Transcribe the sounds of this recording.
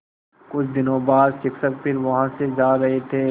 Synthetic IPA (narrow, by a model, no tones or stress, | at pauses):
kʊt͡ʃʰd̪ɪnõbaːd̪ʃɪksək̚pʰɪɾʋɐɦãsed͡ʒaːɾɐɦet̪ʰeː